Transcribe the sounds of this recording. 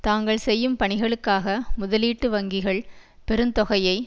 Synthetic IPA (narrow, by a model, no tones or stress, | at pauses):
t̪aːŋɡɐɭsɛjːɯmpɐɳɪɣɐɭɯkːaːɣɐmʊðɐliːʈːɯʋɐŋɡɪɣɐɭpɛɾɯnt̪ɔɣɐjɐɪ